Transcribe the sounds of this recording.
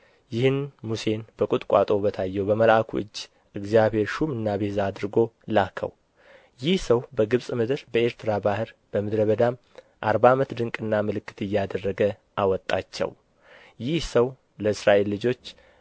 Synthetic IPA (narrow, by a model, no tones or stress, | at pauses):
jɪhɨnmuse̞nbəkʼut̪ʼkʷʼat̪ʼo̞bət̪ʰajːɛwbəməlakʰṵɨd͡ʒː | ʔɨɡzijaβhe̞ɾʃumɨnːabezaːd̪ɾɨɡo̞lakʰə̰w | jɪhsəwbəɡɨβsʼmɨd̪ɨɾbəeɾt̪ʰɨɾabahɨɾb̥əmɨd̪ɾəβəd̪am | ʔaɾbamət̪d̪ɨŋkʼɨnːamɨlɨkːɨ̥t̪ɨjːad̪ərːəɡə | ʔawɔt̪ʼːat͡ʃːɛ̰w | jɪhsəw | ləɨsɾaʔe̞lːɨd͡ʒo̞t͡ʃː